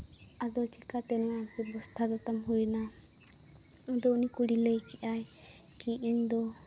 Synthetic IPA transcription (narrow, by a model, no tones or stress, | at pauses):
ad̪ɔt͡ʃʰikat̪ɛnatibɔst̪ʰad̪ɔt̪amɦuina | ɔd̪ɔunikuɽilejkʰiʔaj | kiind̪ɔ